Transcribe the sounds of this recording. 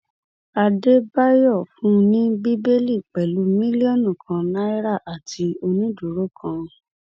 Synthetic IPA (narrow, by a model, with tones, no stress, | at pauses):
a˧de˦ba˦jɔ˦˨fũ˦˧nĩ˦bi˦be˦li˦˨k͡pɛ˨lu˨˦mĩ˦li˦o˦˨nũ˦˨kʰã˧na˦i˦ɾa˦˨ʔa˨ti˧o˧nĩ˦du˨ɾo˦kʰã˧